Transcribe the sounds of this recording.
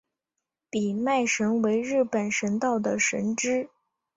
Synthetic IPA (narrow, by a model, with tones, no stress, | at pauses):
pi˨˩ma˥˩ɪʂə˧˥nwe˧˥ɪɻɻ̩˥˩pə˨˩nʂə˧˥nt̪ɑ˥˩ʊd̪ə˩ʂə̰˧˥nʈ͡ʂɻ̩˥